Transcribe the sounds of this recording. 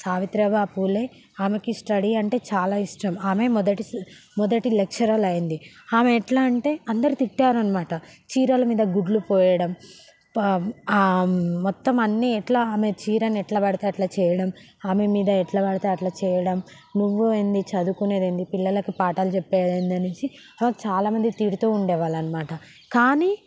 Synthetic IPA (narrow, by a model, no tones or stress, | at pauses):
saːʋit̪ɾɐbaːpuːleː | aːmekisʈɐɽiɐɳʈe̞ːt͡ʃaːlaːiʂʈɐmaːme̞mɔd̪ɐʈimɔd̪ɐʈilekʂɐɾaːlɐjind̪iaːmeːʈlaːɳʈe̞ːɐnd̪ɐɾit̪iʈːaːɾɐnːɐmaːʈɐt͡ʃiːɾɐlɐmiːd̪ɐɡuɖlupɔːjɐɽɐm | mɔt̪ːɐmɐnːiɛʈlaaːmet͡ʃiːɾɐnɛʈlɐbɐɽɐt̪aːjɐʈlaːt͡ʃɛːjɐɽɐm | aːme̞miːd̪ɐɛʈlɐbɐɽɐt̪aːjɐʈlaːt͡ʃɛːjɐɽɐm | nuʋːuɐnd̪it͡ʃɐd̪ukuneːd̪ɐnd̪ipilːɐlɐkipaːʈaːlut͡ʃɛpːɛːd̪ɐnd̪ɐnuɲt͡ʃi | ɐmɐkt͡ʃaːlaːmɐnd̪it̪iːɾut̪uːuɳɖɛːʋaːlɐnɐmaːʈɐ | kaːniː